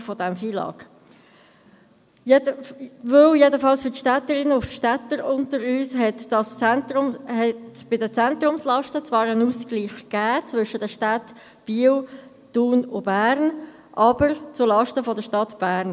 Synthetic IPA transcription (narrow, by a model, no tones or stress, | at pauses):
fɔdɛmfiːlɑ̰ːɡ | jəvøljedəfɑlsfʏtʃtɛtəɾɪnəʊfʃtɛtəɾʊntəɾyːshɦɛtd̥ɑst͡sɛntɾʊmhɛtb̥ɪdət͡sɛntɾʊmslɑʃtət͡svɑːɾənuːskliːχɡ̥æːt͡svʏʃədəʃtæt | b̥iəw | d̥uːnʊbæːɾn | ʔɑb̥əɾt͡sʊlɑʃtəfɔdəʃtɑtb̥æːɾn